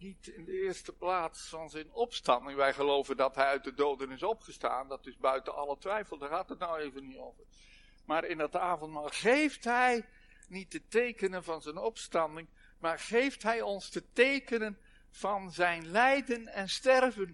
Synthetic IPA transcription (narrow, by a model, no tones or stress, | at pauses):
nitɪndəɪːɹstəplaːtsfɑnzɛjnɔpstɑndɪŋʋɛjχəlowvəndɑtɦɛjœɥt̚dədowdənɪsɔpχəsta̰ːndɑtɪzbœɥtənɑ̰lˠətʋɛjfəlˠdaːɹχaːtətnowejvənitowvər | maːɾɪndɑtaːvɔntmaːlˠχejftɦɛj | nit̚dətejkənənvɑnzɛjnɔpstɑndɪŋ | maːɹχejftɦɛjɔnstətejkənən | v̥ɑnzɛjnlɛjdənɛnstɛrvən